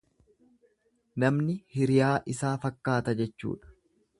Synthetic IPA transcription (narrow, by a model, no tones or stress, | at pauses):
nɐmnɪhɪɾɪjaːʔɪsaːfɐkːaːt̪ɐd͡ʒɛt͡ʃːṵːᶑɐ̥